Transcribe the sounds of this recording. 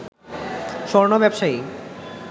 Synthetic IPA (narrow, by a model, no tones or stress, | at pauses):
ʃɔɾnobɛbʃai